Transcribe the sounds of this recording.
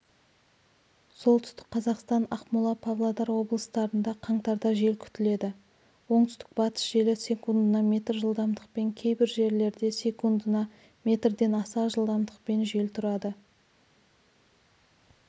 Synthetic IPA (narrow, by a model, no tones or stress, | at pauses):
so̞lˠt̪ʏst̪ɪ̥k̚qːʰɑzɑqst̪ɑnɑqmulˠɑpʰɑvlˠɑd̪ɑɾwo̞blˠəst̪ɑɾənd̪ɑqʰɑɴt̪ɑɾd̪ɑʒe̞lkʲʰʏ̥t̪ɪle̞d̪ɪ | wo̞ɴt̪ʏst̪ɪ̥k̚bɑt̪ə̥sʒ̥e̞lɪsʲe̞kund̪ənɑme̞t̪rʒəlˠd̪ɑmd̪əq̚pe̞ŋkʲʰe̞jbɪɾʒe̞ɾle̞ɾd̪e̞sʲe̞kund̪ənɑ | me̞t̪rd̪e̞nɑsɑʒəlˠd̪ɑmd̪əq̚pe̞nʒe̞lt̪ʰʊɾɑd̪ə